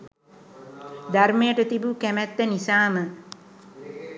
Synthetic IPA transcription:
d̪armejəʈət̪ibukæmæt̪ːənisaːmə

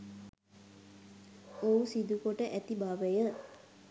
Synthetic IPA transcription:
ousid̪ukoʈəʔæt̪ibaʋəjə

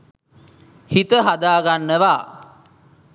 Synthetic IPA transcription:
hit̪əɦad̪aːɡanːəʋaː

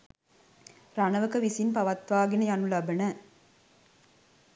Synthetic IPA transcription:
ɾanɐʋɐkɐʋisinpɐʋɐt̪ʋaːɡinɐjanulɐbɐnɐ

